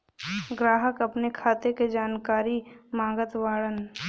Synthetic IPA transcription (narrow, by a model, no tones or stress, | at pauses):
ɡɾaːɦəkɐpnekʰaːt̪eked͡ʒaːnkaːɾimãːɡət̪ʋaːɽən